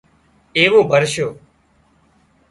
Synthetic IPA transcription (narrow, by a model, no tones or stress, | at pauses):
eːʋoːbʱəɾʃjoː